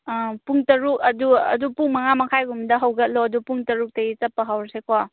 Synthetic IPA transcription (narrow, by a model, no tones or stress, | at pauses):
puŋtɐɾukɐduɐ̰dupuŋmɐŋamɐkʰajɡumdɐɦɐwɡɐt̚loɐdupuŋtɐɾuk̚tɐit͡ʃɐpːɐɦawɾsekwa